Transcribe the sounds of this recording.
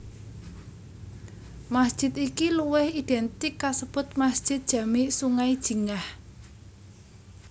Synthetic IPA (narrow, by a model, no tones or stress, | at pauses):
masd̥ʒ̥ɪ̤t̪ikiluwɪhid̪̥ɛnt̪ɪkːasəb̥ʊt̪̚masd̥ʒ̥ɪt̪̚d̥ʒ̥ä̤miʔsuŋaid̥ʒ̥i̤ŋah